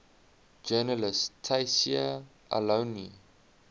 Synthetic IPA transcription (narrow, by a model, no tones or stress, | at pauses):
d͡ʒɛnəlɪstʰajsia | ʔa̰loni